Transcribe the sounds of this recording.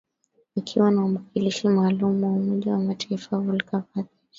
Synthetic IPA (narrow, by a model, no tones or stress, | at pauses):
ikʰiwanaumakʰiliʃimaːlumuwaumɔʄawamataifaulkavaði